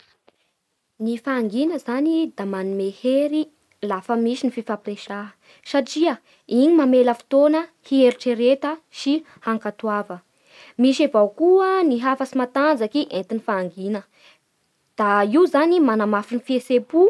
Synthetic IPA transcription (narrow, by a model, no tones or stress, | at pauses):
nifaːŋɡinəzanid̪amanimeheɾi | lafəmiʃinififapireʃa | saʈ͡ʂiə | iɲimameləfi̥t̪onəhieɾiʈ͡ʂeɾet̪əʃi | haŋkat̪uavə | miʃavawkuəniɦafəsimat̪and͡zakiʔent̪inifaːŋɡinə | d̪̥aiuzanimanamafinifiesepu